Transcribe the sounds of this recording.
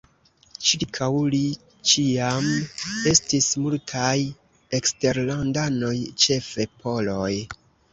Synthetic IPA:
t͡ʃiɾkʰawli | t͡ʃiame̞stismultʰaj | e̞kste̞ɾlandano̞jt͡ʃe̞fe̞pʰo̞lo̞j

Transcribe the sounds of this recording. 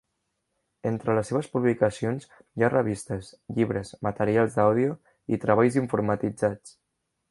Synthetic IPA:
ent̪ɾələsːeβ̞əspuβlikəsionz | jarəβist̪əsʎiβɾəzmət̪əɾialˠzðawðiu | ḭt̪ɾəβ̞aʎziɱfuɾmət̪id͡zat͡s

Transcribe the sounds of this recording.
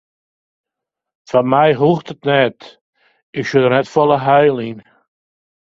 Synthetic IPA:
fanmɛjɦuxtətnɛt | ɪksødərnɛtfɔlˠəɦœjlˠin

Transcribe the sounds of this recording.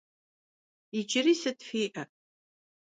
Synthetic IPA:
id͡ʒɪriːsɨtfiːʔɐ

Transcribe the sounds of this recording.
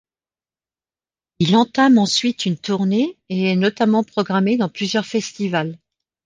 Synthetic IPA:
ilɑ̃t̪amɑ̃sɥit̪ynt̪uʁneeɛnɔt̪amɑ̃pχɔɡʁamed̪ɑ̃plyzjœʁfɛst̪ival

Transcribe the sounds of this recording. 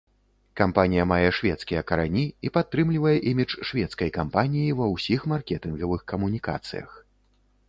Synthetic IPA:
kampanʲijɐmajɛʂvʲɛt̪skʲijɛkɐɾanʲiipat̪ːɾɨmlʲivɐjɛʔimʲit͡ʂʂvʲɛt̪skɐjkampanʲijivɐwsʲixmarkʲɛt̪ɨnɣɐvɨxkɐmunʲika̰t̪sɨ̰jɐ̰x

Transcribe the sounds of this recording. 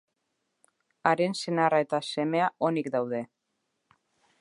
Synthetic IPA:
aɾe̞nsenarae̞t̪ase̞me̞ao̞nikd̪awðe̞

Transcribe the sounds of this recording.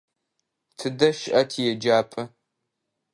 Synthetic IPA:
tʰɨdɐʃɪʔɐtʰijɛd͡ʒaːpʼɐ

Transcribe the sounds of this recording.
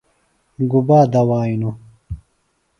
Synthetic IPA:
ɡubaːd̪ɐwaːinu

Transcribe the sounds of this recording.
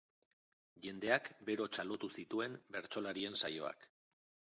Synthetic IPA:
ʝe̞nd̪e̞akbe̞ɾo̞t͡ʃalo̞t̪usit̪ue̞mbe̞ɾt͡ʃo̞laɾie̞nsa̰jo̞̰a̰k

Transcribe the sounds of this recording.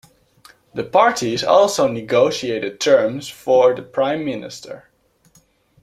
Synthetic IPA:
ðəpʰɑɹtʰizɔ̰lˠsoʊnɪɡoʊʃieɪɾɨd̚tʰɜ˞mzfɔɹðəpʰɹ̥ãɪ̃mːɪnɪ̰stʰə̰˞

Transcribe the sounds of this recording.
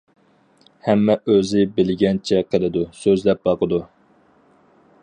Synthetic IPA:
hɛmːɛʔøzɪbɪlɪɡʲɛnt͡ʃʰɛqʰəlˠɨd̪usøzlɛp̚bɑqəd̪u

